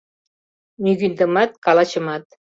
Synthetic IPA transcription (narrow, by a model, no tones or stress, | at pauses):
nyɣynd̪əmɑt̪̚kɑlɑt͡ɕə̆mɑt̪̚